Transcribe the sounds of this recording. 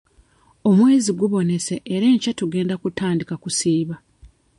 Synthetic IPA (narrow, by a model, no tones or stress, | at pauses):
o̞mwe̞ːziɡuβo̞ne̞se̞ʔːɾeːɲcatuɡe̞ːndakutaːndikakusiːβa